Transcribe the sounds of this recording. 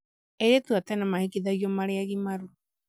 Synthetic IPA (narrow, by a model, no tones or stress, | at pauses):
eɾet̪uat̪ɛnamahikiðaɣjɔmaɾeaɣimaɾu